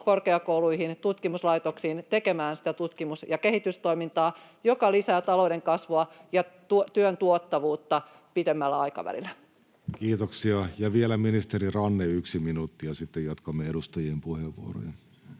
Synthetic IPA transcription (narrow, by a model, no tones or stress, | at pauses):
korkeɑkouluihint̪ut̪kimuslɑit̪oksiːnt̪eke̞mæːnsi̥t̪æt̪ut̪kimusjɑke̞hit̪yst̪o̞imint̪ɑː | jokɑlisæːt̪ɑloudeŋkɑsʋoɑjɑt̪ut̪yønt̪uot̪ːɑʋuːt̪ːɑ | pit̪emːælːæɑjkɑ̰ʋæ̰lḭlːæ | kiːt̪oksiɑjɑʋielæminist̪eɾirɑnːeyksiminuːt̪ːiɑsit̪ːejot̪kɑmːeeɾust̪ɑjiempuheʋʋṵo̰ro̰jɑ